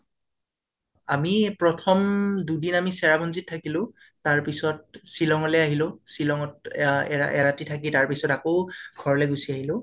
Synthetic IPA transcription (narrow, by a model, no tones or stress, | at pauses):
amipɹɔtʰɔmdudinamisɛɹabɔnzit̚tʰːakilʊ̃ | taɹpisɔt̚silɔŋɔlɛaɦilʊ̃silɔŋɔt̚ɛ̰ʔɛ̰ɹatitʰak̬itaɹpisɔtakoɡ̥ʱɔɹɔlɛɡusiaɦilʊ̃